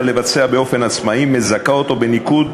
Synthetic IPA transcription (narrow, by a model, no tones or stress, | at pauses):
le̞vat͡se̞abeo̞fe̞nat͡smaime̞zakao̞t̪o̞be̞nikud̪